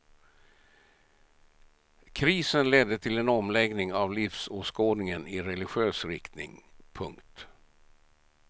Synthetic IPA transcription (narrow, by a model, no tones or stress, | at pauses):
kʰɾiːsənlɛd̪ːət̪ʰɪlɛnɔmlɛɡnɪŋavlɪfsoːskoːd̪nɪŋənɪɾɛlɪɧøːsɾɪkt̪nɪ̰ŋpʰɵŋkt̪